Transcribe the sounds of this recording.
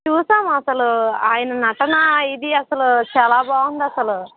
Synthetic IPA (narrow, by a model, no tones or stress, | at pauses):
t͡ʃuːsaːmɐsɐluaːjɐnɐnɐʈɐnaid̪iɐsɐlut͡ʃaːlaːbaːwund̪ɐsɐlu